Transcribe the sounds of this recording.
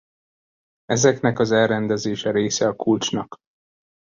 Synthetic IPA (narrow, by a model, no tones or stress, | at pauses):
ɛzɛknɛkɒzɛlɾɛnd̪ɛzeːʃɛɾeːsɛɒkult͡ʃnɒk